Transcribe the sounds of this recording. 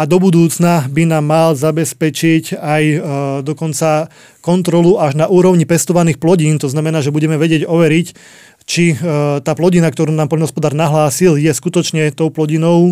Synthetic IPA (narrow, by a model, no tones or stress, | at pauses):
ad̪ɔbud̪uːt͡snabinaːmːalzabɛspɛt͡ʃicajd̪ɔkɔnt͡sa | kɔnt̪ɾɔluʔaʒnaʔuːɾɔʊɲipɛst̪ɔʋaniːxplɔɟiːnt̪ɔznamɛnaːʒɛbuɟɛmɛʋɛɟɪɛɟɔʋɛɾic | t͡ʃit̪aːplɔɟinak̚t̪ɔɾuːnaːmpɔlnɦɔspɔd̪aːɾnaɦlaːsiljɛskut̪ɔt͡ʃɲɛt̪ɔʊplɔɟinɔʊ